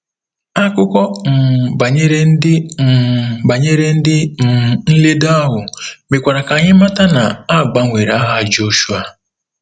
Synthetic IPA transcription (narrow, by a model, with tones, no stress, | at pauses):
a˦kʊ˦kɔ˦m̩˨ba˨ɲe˦ɾe˦n̩˦dɪ˦m̩˨ba˨ɲe˦ɾe˦n̩˦dɪ˦m̩˨n̩˦le˦da˦ɦʊ˨mɪ˨kʷa˨ɾa˨ka˨ɲɪ˦ma˦ta˦na˨a˦˨ɡ͡ba˦ŋʷe˨ɾa˨a˦ɦa˦d͡ʒo˦ʃu˦a˨